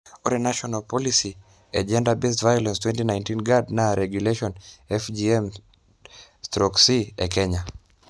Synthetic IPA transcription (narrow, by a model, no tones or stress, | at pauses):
ɔɾɛnaʃɔnalpɔlisi | ad͡ʒɛndabɛstvajɔlɛ̃nstwɛntinajntinɡadnaɾʔɛɡjuleʃɔnɛfd͡ʒiɛm | stɾɔksiɛ̰kɛɲa